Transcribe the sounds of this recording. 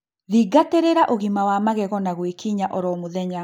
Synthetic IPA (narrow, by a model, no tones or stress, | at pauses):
ðiɡateɾeɾaʔoɣimawamaɣɛɣɔnaɣwekiɲaʔɔɾɔmoðɛɲa